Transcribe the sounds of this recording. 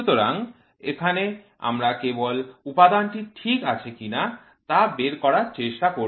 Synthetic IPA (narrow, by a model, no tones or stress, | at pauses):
ut̪oɾa̰ŋ | ekʰane | a̰mɾakebolupad̪anʈiʈʰikat͡ɕʰekina | t̪abeɾkɔɾaɾt͡ɕeʃʈako